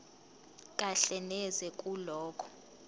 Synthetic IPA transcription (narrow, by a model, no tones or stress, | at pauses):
k̬ʼaɬɛnɛzɛkʼulɔːkʰɔ̥